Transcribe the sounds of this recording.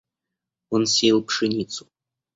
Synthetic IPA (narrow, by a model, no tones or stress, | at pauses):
ɔnsʲelˠpʂɨnʲit̪su̥